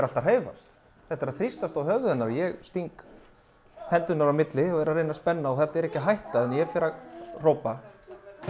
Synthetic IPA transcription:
ɾal̥t̪ar̥eːjva̰st̪ | θɛht̪ːaɾaθɾist̪ast̪awɦœɣðʏnːaɾjɛɣst̪iŋk | hʰɛnt̪ʏnaɾawmɪt̪lɪɔɣɛɾaɾreːjnaspɛnːaɔɣθɛt̪aɛɾɛhcɪɦajht̪aɛnjɛfɪɾar̥owpa

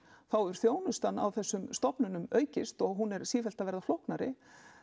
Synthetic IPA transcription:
θawɛɾ̥θjoːwnʏst̪anːa̰wθɛsːʏmst̪ɔpnʏnʏmœːɥcɪst̪ɔɣɦunɛɾ̥siːfɛlt̪avɛɾðaflowhknaɾɪ̰

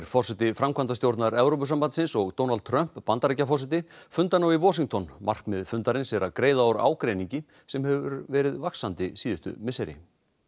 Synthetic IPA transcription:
ɾfɔrsɛt̪ɪfɾamkʰvant̪ast̪jowɾt̪naɾɛvɾowp̬ʏsampant̪sɪnsɔɣt̪oːwnalt̪̚t̪ʰɾœm̥pːant̪aɾejcafɔrsɛt̪ɪfʏnt̪anawivɔːs̬iŋk̚t̪ʰɔnma̰r̥kmɪðfʏnt̪aɾɪnsɛɾakɾeːjðaawɾa̰ːwkɾejniɲcɪ | sɛmhɛvʏɾvɛːɾɪðvaksant̪ɪsiːðʏst̪ʏ̰mɪsɛɾɪ̰

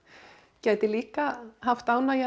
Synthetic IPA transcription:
cɛːt̪ɪliːkahaft̪aːwnaja

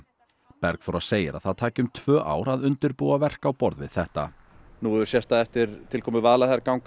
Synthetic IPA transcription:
pɛɾkfɔɾaseːjɪɾa̰ðθaðt̪ʰaːcʏmt̪ʰvœːʔa̰ːwɾaðʏnt̪ʏɾpuavɛr̥kawpɔɾðvɪ̰ð̥θɛht̪a̰ | nuːʏɾ̥sjɛst̪aðɛft̪ɪɾt̪ʰɪlkʰɔːmʏvaːlaθaɾkawŋk

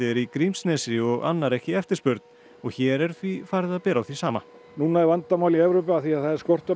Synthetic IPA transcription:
ɛɾikɾimsnɛːsɪɔɣa̰nːaɾɛhcɪɛft̪ɪɾspʏɾt̪n | ɔɣçɛːɾɛɾ̥θvifaɾðaðpɛːɾawθisaːma̰ | nuːnaɛvant̪amawliɛvɾopɪaθiaðθaðɛɾ̥skɔr̥t̪ʏ

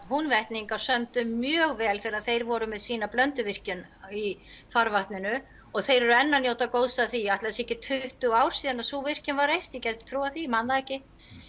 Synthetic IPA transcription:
hunvɛht̪niŋkaɾ̥sœmt̪ʏmːjœːɣvɛːlθɛɾaðθejɾvɔɾʏmɛðsiːnaplœnt̪ʏvɪr̥cʏnifaɾvaht̪nɪnʏ | ɔɣθejɾɛɾʏɛnːanjoːwt̪akoːwsaθiaht̪lɛsɛhcɪt̪ʰʏht̪ʏɣaːwɾ̥siːðanasuːvɪr̥cʏnvaɾejst̪jɛcɛt̪ʏ̥t̪ʰɾuːwaθimanlaɛhcɪ

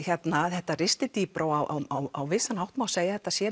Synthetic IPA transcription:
çjɛt̪naθɛht̪ːarɪst̪ɪt̪iːpɾoːwawʔawawawvɪsanhawht̪mawseːjaθɛht̪ːasjɛ

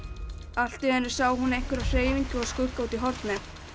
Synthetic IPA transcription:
al̥t̪ɪɛnɪɾ̥saːwɦunːejŋ̥kʏɾaðr̥eːjviɲcʏɔskʏkːauːt̪iɦɔɾt̪nɪ

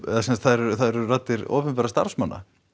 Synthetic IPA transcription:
ɛðasɛnst̪θaðɛɾɛɾθaðɛɾɛɾrat̪ːɪɾɔ̰ːpɪnpɛɾast̪a̰ɾ̥fsmanːa̰

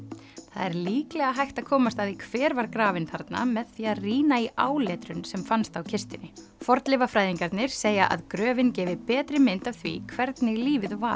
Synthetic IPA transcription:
θa̰ðɛɾliːklɛɣaɦajht̪aðkʰɔːmast̪aðikʰvɛːɾvaɾkɾaːvɪnθʰaɾt̪na̰mɛðθiːaðriːnaiʔaːwlɛːt̪ɾʏnsɛmfanst̪awcʰɪst̪ɪnɪ | fɔɾt̪lɪvafɾaːjðiŋkaɾt̪nɪɾ̥seːjaʔa̰ðkɾœːvɪncɛːvɪpɛːt̪ɾɪmɪnt̪aθvḭkʰvɛɾt̪nɪliːvɪðva̰ɾ̥

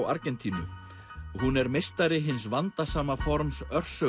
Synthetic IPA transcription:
wa̰ɾcɛnt̪ʰiːnʏ | ɦunɛɾmest̪aɾɪɦɪns̬vant̪asaːmafɔɾmsœr̥sœ

